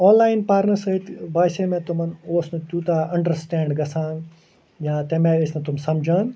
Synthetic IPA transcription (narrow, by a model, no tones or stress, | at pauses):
ɔ̃ːnlaːɪnpaːɾnəɾsɐit̪baːjsẽmẽt̪ʊmɐnoːsnut̪uːt̪aʔɐ̃ɳɖəɾsʈɛ̃ːɳɖɡɐsãːŋɡ | jaːt̪ẽmẽɪsnɐ̃t̪ʊmsɐmd͡ʒʱãːŋ